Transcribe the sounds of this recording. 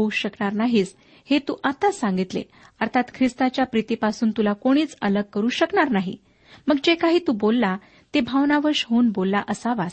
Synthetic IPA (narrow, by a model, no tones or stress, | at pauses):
ouɕəkɳaɾnaɦiːt͡s | het̪uːʔat̪asãŋɡit̪lḛ | əɾt̪ʰat̪kʰɾist̪at͡ɕjapɾit̪ipasuːnt̪ulakoɽ̃iːt͡sələɡ̚kəɾuːɕəkɳaɾnaɦḭ | məɡd͡ʑekaɦiːt̪uːbolːa | t̪ebʱaʋnaʋəɾɕɦouːnbolːaʔəsaʋas